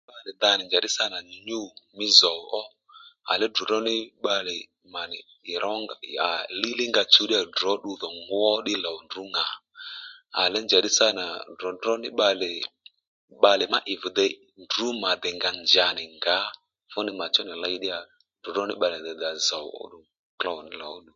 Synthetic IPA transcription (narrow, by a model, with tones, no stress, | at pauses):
ɓa˧lɛ˨d̪a˧nɪ˨d͡ʒa˨ɗɪ˦sa˦na˨ɲ˨ɲu˦˨mɪ˦zɔ˨wʔɔ˦ | a̰˨lɛ˦du˨dɔ˦nɪ˦ɓa˧lɛ˨ | ma˨nɪ˨ | ɪ˨ɾʔɔ˦ŋ˨a̰˨lɪ˦lɪ˦ŋɡa˧t͡ʃu˨˦ɗɪ˦a˨dɔ˨˦ɗu˧ðɔ˨ŋɡwɔ˦ɗɪ˦la˨ndu˨˦ŋa˨ | a̰˨lɛ˦nd͡ʒa˨ɗɪ˦sa˦na˨dɔ˨dɔ˦nɪ˦ɓa˧lɛ˨ | ɓa˧lɛ˨ma̰˦ʔɪ˨vʊ˨d̪ɛ˧ | ndu˨˦ma˨d̪ɛ˨ŋɡa˨nd͡ʒa˨nɪ˨ŋɡa˨˦ | fʊ˦nɪ˧ma˨t͡ʃɔ˦nɛ˨la˧˦ɗɪ˦a˨ | du˨dɔ˦nɪ˦ɓa˧lɛ˨d̪ɛ˨d̪a˨za˨w̰ʔɔ̰˦ɗu˧ | kla˧ɔ˨nɪ˦lɔ˨˦ɗu˨